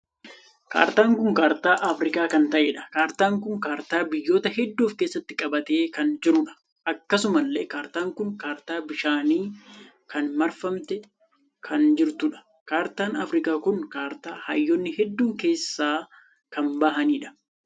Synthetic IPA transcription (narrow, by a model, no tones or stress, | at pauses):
ka̰ːɾt̪aːŋkʊŋkaːɾt̪aːʔɐfɾɪkaːkɐnt̪ɐʔeːᶑɐ̥kaːɾt̪aːŋkʊŋkaːɾt̪aːbɪjːo̞ːt̪ɐhɛd̪ːuːfkeːsːɐt̪ːɪkʼɐbɐt̪eːkɐnd͡ʒɪɾʊᶑɐ̥ | ʔɐkːɐsʊmɐlːeːkaːɾt̪aːŋkʊŋkaːɾt̪aːbɪʃaːniː | kɐnmɐɾfɐmt̪ɛ | kʰɐnd͡ʒɪɾt̪ʊᶑɐ̥ | kaːɾt̪aːnɐfɾɪkaːkʊŋkaːɾt̪aːhɐ̰jːɔnːɪhɛd̪ːuːŋke̞ːsːaː | kɐnbɐɦɐniːᶑɐ̥